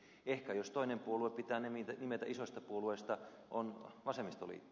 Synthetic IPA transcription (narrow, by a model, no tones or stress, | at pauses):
ehkæjost̪oinempuolueppit̪æːnemit̪ænimet̪æʔisosʲt̪ɑpuolueist̪ɑ | ʔonʋɑsemːist̪o̰lḭt̪ː